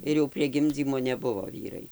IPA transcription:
ɪr jɛʊ pʲrʲiɛ ˈɡʲɪmʲd͡zʲiːmoː nʲɛˈbʊʋoː ˈʋʲiːrɐɪ

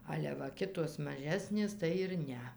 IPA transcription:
ˈɑːlʲɛ ʋɐ ˈkʲɪtoːs mɐˈʒʲæːsʲnʲeːs tɐɪ ɪr ˈnʲɛ

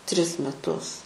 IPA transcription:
ˈtʲrʲɪs mʲɛˈtʊs

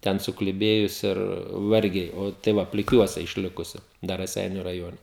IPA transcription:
ˈtʲɛn sʊklʲɪˈbʲeːjʊs ɪr ˈʋɐrʲɡʲɛɪ ˈoː tɐɪ ˈʋɐ pʲlʲɪˈkʲuɔsʲɛ ɪʃʲˈlʲɪkʊsʲɪ ˈdɐr rɐˈsʲɛɪnʲʊ rɐˈjoːnʲɛ

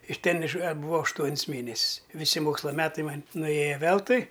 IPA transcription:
ɪʃ ˈtʲɛn ɪʃ ɐdbʊˈʋɐʊ ɐʃˈtuɔnʲs ˈmʲeːnʲɛsʲsʲ ɪ ʋʲɪˈsʲɪ ˈmoːkslˠɐ ˈmʲæːtɐɪ ˈmɐnʲ nʊˈeːjɛ ˈʋʲɛlˠtʊɪ

